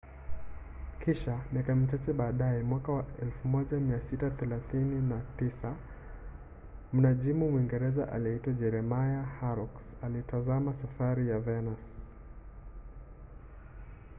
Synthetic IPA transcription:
kʰiʃamiakamit͡ʃat͡ʃɛɓaːɗaɛmwakawaɛlfumɔʄamiasitaθɛlaθininatisa | m̩naʄimumuiŋɡɛɾɛzaʔa̰liitwaʄɛɾɛmajahaɾɔksalitazamasafaɾijavɛnas

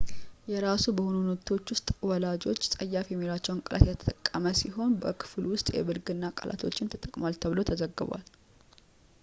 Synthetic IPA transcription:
jɛɾasubəhonunət̪ʰo̞t͡ʃːwʊst̪ʼwɔlad͡ʒo̞t͡ʃːsʼəjːafjɛmːiɾat͡ʃːɛwnkʼəlʔa̰t̪jɛt̪ʰə̥t̪ʼəkʼːəməsiɦo̞nbəkʰɨ̥flwʊst̪ʼjɛ̰bɨlɡɨnːakʼa̰lʔa̰t̪ʰo̞̰t͡ʃːɪnt̪ʰət̪ʼəkʼmalt̪ʰəβɨlo̞t̪ʰəzəɡːɨβa̰l

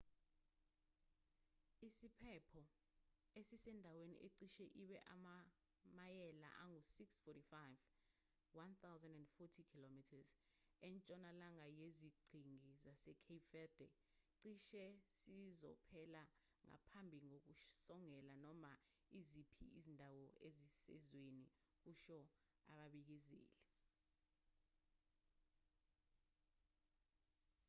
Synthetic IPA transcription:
isipʰɛpʰɔ | esisɛndʱawenḭʔeǀiʃɛʔiɓɛʔa̰ma | majɛla̰ʔaŋusiksfɔtifajv | want̪ʰawzɛ̃ndɛndfɔtʰikʰilomitʰaz | ɛnt͡ʃʼɔnalaŋajeziɡ͡ǀʱiŋizasɛkʰefɛd̥ɛ̰ | ǀiʃɛsizɔ̰pʰɛla | ŋa̰pʰambʱiŋok̬usɔŋɛlanɔmaizipʰḭizindʱawɔʔezisɛ̰zweni | k̬uʃɔ | a̰ɓaɓik̬izḭːlɛ

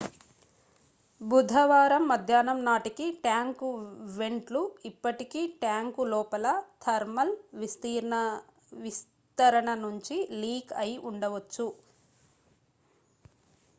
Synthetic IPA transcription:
bud̪ʱɐʋaːɾɐmːɐd̪ʱjaːnɐmnaːʈikiʈjaːŋkuʋe̞ɳʈluipːɐʈikiʈjaːŋkulɔːpɐlɐt̪ʰɐɾmɐlʋist̪iːɾɳɐ | ʋis | t̪ɐɾɐɳɐnuɲt͡ʃiliːkɐjʔuɳɖɐʋɐt͡ʃːu

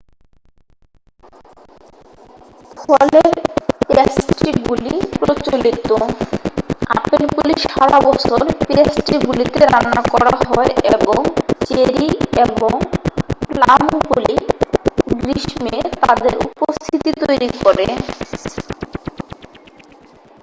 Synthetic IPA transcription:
fʰɔleɾpesʈiɡulipɾot͡ɕolit̪o | a̰pelpuliʃaɾabɔt͡ɕʰoɾpesʈiɡulit̪eɾanakɔɾaaɦɔeeboŋt͡ɕeɾieboŋplamɡuli | ɡɾiʃmet̪ad̪eɾṵpost̪ʰit̪it̪ojɾikɔɾḛ

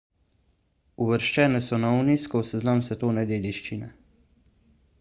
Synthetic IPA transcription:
uʋəɾʃt͡ʃɛːnɛsɔnauniskɔwsɛznamsɛt̪oːnɛd̪eːd̪iʃt͡ʃinɛ

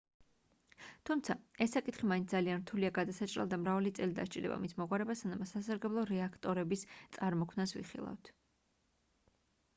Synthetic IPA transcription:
t̪ʰumt̪sʰaɛsːakʼit̪χimainsd̪alianɾt̪ʰuliaɡad̪asat͡ʃʼɾɛ̰lˠd̪amɾavalit̪sʼɛlid̪a̰ʃt͡ʃʼid̪ɛ̰ba̰mismɔʁʼwaɾɛbasanamasasaɾɡɛblˠɔɾɛakʰt̪ʼɔɾɛbist̪sʼaɾmɔkʰmnasvḭχḭlˠa̰vt̪ʰ

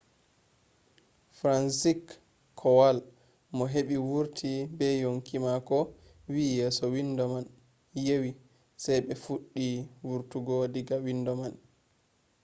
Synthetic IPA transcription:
fɾansikʰː | ɔwal | mɔɦeɓiwuɾtʰibɛjoŋkimakɔ | wijɛːsɔwindɔman | jewi | sajbɛfuɗːiwuɾtuɡɔdiɡawindɔman

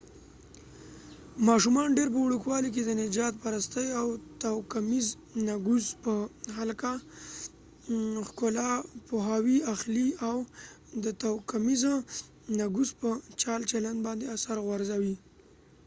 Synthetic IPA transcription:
mɑʃumɑnɖeɾp̬əwɽukwɑlik̬ed̪ənɪd͡ʒɑt̪̚paɾast̪əjawt̪awkamiz | naɡuzpəhalka | xkʊlɑpoɦɑwiaxliaw | d̪ət̪awkamiza | naɡuspət͡ʃɑlt͡ʃaland̪bɑnd̪easaɾɣwaɾzawi

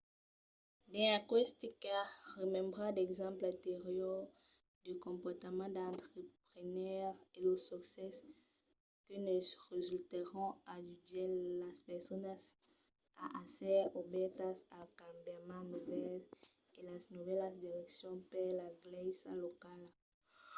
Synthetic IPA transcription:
d̪ɛ̃akwɛst̪ekaʁemɛ̃mbʁãd̪ɛɡzãmplãt̪eʁjɔʁ | d̪ykɔ̃mpɔʁt̪amɑ̃d̪ãnt̪χepʁenœʁelosɔksɛs | kənesʁezylt̪eʁɔ̃adyd̪elaspɛʁsɔnas | a̰ʔasɛobɛt̪asalkãmbjamãnuvɛl | elasnuvɛlasd̪iʁɛksjɔ̃pɛʁlaɡlɛsalokal

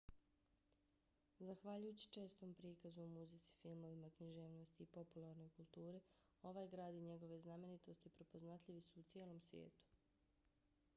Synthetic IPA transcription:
zaxʋaʎujut͡ɕi̥t͡ʃe̞ːst̪oːmpɾikazumuzit̪si̥filˠmo̞ʋimakɲiʒeːʋno̞st̪iːpo̞pulˠaɾno̞jkulˠt̪uːɾe | o̞ʋaːjɡɾaːd̪iɲe̞ɡo̞ʋe̞zname̞nit̪o̞st̪ipɾe̞po̞znat̪ʎiʋisuːt̪sjeːlo̞msʋjḛːt̪u̥

